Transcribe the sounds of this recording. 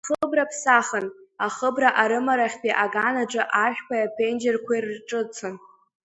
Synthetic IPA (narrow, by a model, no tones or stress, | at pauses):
χəbrapʰsaχənaχəbraʔaɾɨmaɾaχʲpiʔaɡanaʈ͡ʂʼɨʔaʃᶣkʷʰajapʰend͡ʒerkʷʰairʈ͡ʂʼɨt͡sʰan